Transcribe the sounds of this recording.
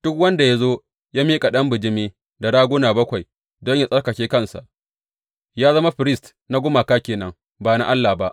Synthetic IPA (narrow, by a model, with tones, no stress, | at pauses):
d̥ʊ˦k̚wɐ˦nda˨ja˦zoː˦ | jaː˦miː˦kʼa˨ɗɐ˦mbɪ˨d͡ʒɪ˦miː˦ | da˨ɽaː˦ɡʷʊ˦naː˨bɐ˦kʷa˨j | dɔ˦ɲja˨sʼɐ˦rkɐ˨kʲeː˦kɐ˦˨nsa̰˨ʔ | jaː˦zɐ˦ma˦ɸɪ˨ɾɪ˦st | na˦ɡʷʊ˦maː˨kaː˦kʲeː˨nɐ˦ŋ | baː˨na˦ʔa˦lːaː˨hba˦ʔ